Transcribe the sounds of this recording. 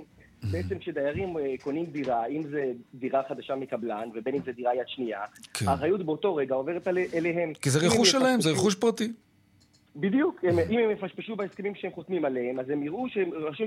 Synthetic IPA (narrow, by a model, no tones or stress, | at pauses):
beet͡se̞mkʃed̪ajaʁimko̞nimd̪iʁaimzed̪iʁaχad̪aʃamekablanve̞be̞nimzed̪iʁaijad̪ʃniakʰaːχajut̪beoto̞ʁe̞ɡao̞ve̞ʁet̪alʔeleɦemkizeʁeχuʃelaemzeʁeχuʃ̬pʁat̪i | bid̪ijukemʔimhemːefaʃpeʃubeheskemimʃeemχot̪mimalehemazhe̞miʁuʃeemʁaʃu